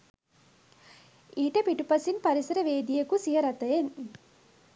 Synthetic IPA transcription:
iːʈəpiʈupɐsinpaɾisɐɾəʋeːd̪ijekusiɦəɾat̪ɐjen

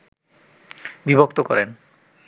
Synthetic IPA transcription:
bibʱok̚t̪okɔɾen

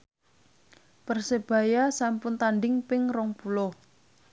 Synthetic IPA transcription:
pərseb̥a̤jasampʊnt̪anɖɪŋpɪŋrɔŋpulɔ

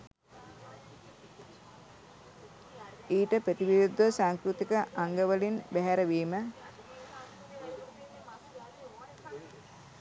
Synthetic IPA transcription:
iːʈəpɾət̪iʋiɾud̪ʋəsaːŋkɾut̪ikəʔaŋɡəʋəlinbæɦæɾəʋiːmə

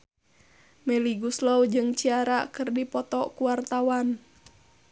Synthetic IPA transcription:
mɛliɡuslɔwd͡ʒɨŋt͡ʃiaɾakɨrdipɔt̪ɔkuwart̪awan

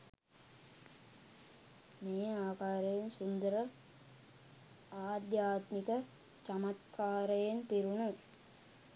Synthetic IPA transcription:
meːaːkaːɾɐjensund̪ɐɾɐ | aːd̪jaːt̪mikɐ | t͡ʃɐmɐt̪kʰaːɾɐjenpiɾunu

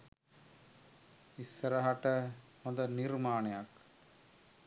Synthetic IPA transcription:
isːəɾɐɦaʈə | hond̪ɐniɾmaːnejak

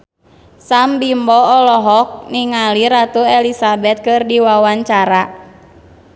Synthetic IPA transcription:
sambimbɔɔlɔɦɔk̚niŋaliɾat̪uɛlisabɛt̪̚kɨrdiwawaɲt͡ʃaɾa

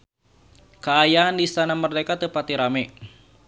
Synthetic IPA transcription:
kaːjaandisanamərdekat̪əpat̪iɾamɛ

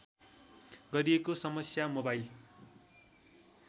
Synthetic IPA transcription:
ɡʌɾiekosʌmʌsjamobajil

